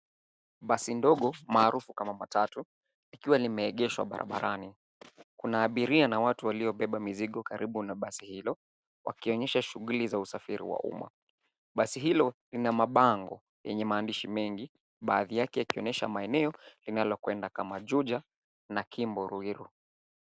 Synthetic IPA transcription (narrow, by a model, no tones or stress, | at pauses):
ɓasindɔɠɔmaːɾufukamamatatu | nikiwalimɛːɠɛʃwa̰ɓa̰ɾʔa̰ɓaɾʔani | kunaːɓiɾianawatuwaliɔɓɛɓamiziɠɔkaɾiɓunaɓasihilɔ | wʔa̰kiɔɲɛʃaʃuɣulizausafiɾḭwa̰ṵma̰ | ɓasiɦilɔlinamaɓaŋɡɔ | jɛɲɛmaːndiʃimɛŋɡi | ɓaːðijakɛjakiɔɲɛʃa̰maɛnɛɔlinalɔkwɛndakamaʄuʄa | nakimbɔɾuiɾu